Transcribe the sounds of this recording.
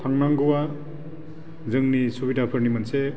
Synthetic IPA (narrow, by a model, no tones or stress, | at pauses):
tʰaŋnaŋɡuwa | zɯŋnisubidapʰɯɾnimanse